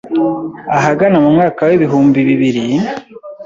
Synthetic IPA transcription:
aɦaɡanamumŋaːkaweβiɦuːmbiβiβiɾi

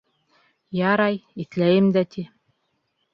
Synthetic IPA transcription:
jɑɾɑjiθlæjɘmd̪æt̪ʰi

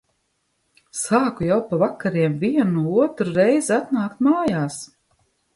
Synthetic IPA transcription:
saːkujawpavakːaɾiɛmviɛnuuuɔt̪ɾuɾɛjziat̪naːkt̪̚maːjaːs

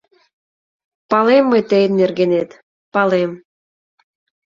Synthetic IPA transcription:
pɑlemːɤjt̪ejnːerɣenet̪ | pɑlem

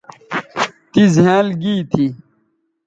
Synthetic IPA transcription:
t̪izjãːlɡiːt̪ʰi

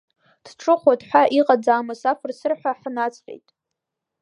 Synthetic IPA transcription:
d̥ʈ͡ʂʰɨχʷatʰʼħʷᶣaʔiqʼad͡zaːmɨsafʰɨrsɨrħʷᶣaħnat͡sʰʼħʲʼe̞̰jtʼ

